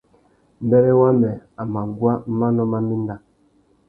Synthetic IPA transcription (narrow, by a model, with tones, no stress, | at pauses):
m̩˨˦bɛ˦ɾɛ˦wa˦mɛ˨a˨ma˨ɡwa˦ma˦nɔ˦ma˦mi˦n˦da˦